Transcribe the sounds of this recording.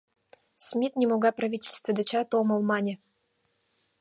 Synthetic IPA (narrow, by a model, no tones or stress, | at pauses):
smʲit̪nʲemoɡɑprɐvʲitʲelʲst̪və̆d̪ɘ̆t͡ɕɑt̪omɤ̆lˠmɑnʲɘ̆